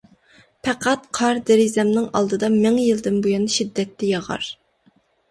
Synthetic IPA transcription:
pʰɛqʰæt̪̚qʰɑɾd̪eɾizɛmnɨŋɑ̰lˠd̪ɨd̪ɑmɪŋjilˠd̪ɪnbujɑnʃid̪ːɛt̪ːɛjɑʁɑ̰ɾ

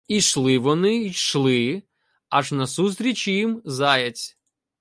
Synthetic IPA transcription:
iʂlˠɨvɔnɨʂlˠɨ | aʂnɐsust̪ɾʲɪt͡ɕiimzajɐt͡sʲ

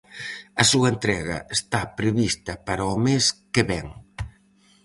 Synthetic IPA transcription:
ɐsuɐent̪ɾɛɣɐ̰est̪apɾeβist̪ɐpaɾɐomeskeβɛŋ

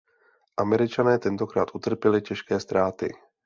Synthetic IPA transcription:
ʔamɛɾɪt͡ʃanɛːt̪ɛnt̪o̞kɾa̰ːt̪ʔut̪r̩pjɛlɪcɛʃkɛːst̪ɾʔaːt̪ɪ̰

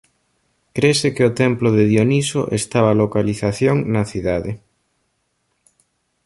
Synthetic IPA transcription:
kɾesekeot̪ɛmploðeðjonisoʔest̪aβalokaliθaθjoŋnɐθiðaðe

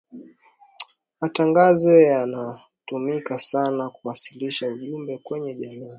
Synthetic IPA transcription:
mataŋɡazɔjana | tumikasanakuwasiliʃauʄumbɛkwɛɲɛʄamiː

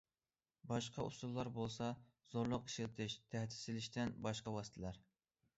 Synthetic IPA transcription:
bɑʃqʰɑṵsulˠːɑɾbolˠsɑ | z̥oɾlˠʊqi̥ʃilt̪ʰɪʃt̪ʰæht̪ʰɪ̥sɪlɪʃt̪ɪnbɑʃqɑwɑst̪ʰɪlæɾ

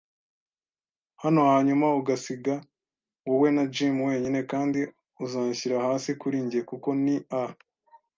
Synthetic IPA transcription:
hano̞haːɲumauɡasiɡa | wuwe̞nad͡ʒimwe̞ːɲine̞kaːndi | uzaːɲçiɾahaːsikuɾiːɲɟiekuko̞nia

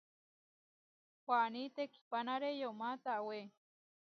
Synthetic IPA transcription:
pʷanit̪ekʰi̥panaɾejomat̪awe

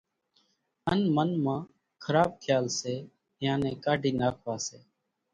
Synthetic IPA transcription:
ənmənmãː | kʰəɾaːb̚kʰɪjaːlseː | jãːnẽːkaːɖʱiːnaːkʰʋaːseː

